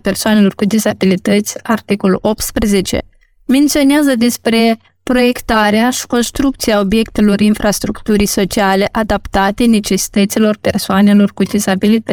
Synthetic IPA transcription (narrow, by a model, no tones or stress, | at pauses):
pe̞rsoane̞lo̞rkud̪isabilit̪ət̪sʲart̪iko̞luo̞p̚t̪spɾeze̞t͡ʃe̞̰ | me̞nt̪sio̞neazəd̪e̞spɾe̞ | pɾo̞je̞kt̪aɾeaʃi̥ko̞nst̪ɾuk̚t̪siao̞bje̞kt̪e̞lo̞rinfɾast̪ɾukt̪uɾijso̞t͡ʃiale̞ʔad̪apt̪at̪e̞ne̞t͡ʃe̞si̥t̪ət̪silo̞rpe̞rsoane̞lo̞rkud̪isabilit̪